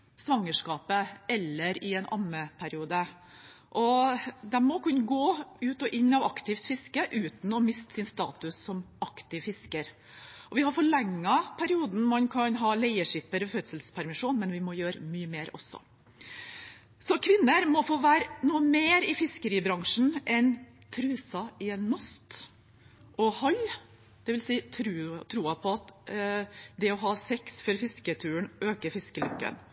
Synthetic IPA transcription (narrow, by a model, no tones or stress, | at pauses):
sʋɑŋːəʂkɑːpəɛlːəɾɪɛnʔɑ̰nəpʰæɾɪuːd̪ə | ʔɔd̪ɛmmɔkʉnːəɡoːʉːt̪ɔʔɪɲːɑʋɑkt̪ɪft̪fɪskəʔʉːt̪n̩ɔmɪst̪sɪnst̪ɑ̰ːt̪ʉsːɔmʔɑkt̪ɪʋfɪskəɾ | ʔɔʋɪhɑɾfɔɭɛŋːəpʰæɾɪuːd̪n̩mɑnkʰɑnɦɑːlɛɪəʂɪpəɾɔfœt̪səlspʰæɾmɪʂuːnmɛnʋɪmɔjøːɾəmyːəmeːɾɔ̰sːɔ̰ | sɔkʰʋɪnːəɾmɔfoːʋæːɾnuːəmeːɾɪfɪskəɾiːbɾɑŋʂn̩ʔɛn | t̪ʰɾʉːsɑɪɛnːɔst̪ | ʔɔhɑl | d̪̥ɛʋɪlsiːt̪ʰɾʉːt̪ʰɾuːɑpʰɔɑt̪ | d̪ɛɔɦɑːsɛksfɔɾfɪskət̪ʰʉːəɳʔøːkəɾfɪskəlʉkːə̰n